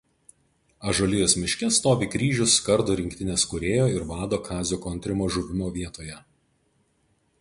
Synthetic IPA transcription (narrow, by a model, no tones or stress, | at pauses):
ɐʒoːlʲɪjoːsmʲɪʃʲkʲɛst̪oːʋʲiːkɾʲiːʒʲʊskɐɾd̪ʊːɾʲɪŋʲkt̪ʲɪnʲeskʊɾʲeːjoːɪɾʋɑːd̪oːkʰɑːzʲʊkoːnt̪ʲɾʲɪmoːʒʊʋʲɪmoːʋʲiɛt̪oːjɛ